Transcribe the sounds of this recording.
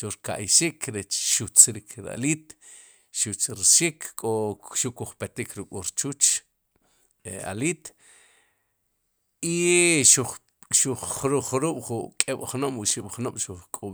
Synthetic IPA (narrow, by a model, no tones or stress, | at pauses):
ʃuɾka̰ʔjʃikʰɾet͡ʃʃut͡sɾikʰɾa̰lit̪ | ʃut͡sɾiʃikʰkʼoʃukuχpet̪ikʰɾukʼuɾt͡ʃut͡ʃ | a̰lit̪ | iʃuχ | ʃuχɾuχɾuːɓ̥χukʼeɓ̥χnomwuʃiɓ̥χnomʃuχkʼo